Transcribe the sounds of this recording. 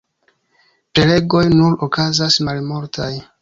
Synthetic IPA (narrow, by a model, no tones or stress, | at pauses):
pɾe̞le̞ɡo̞jnuɾokazasmalmoɾtʰaj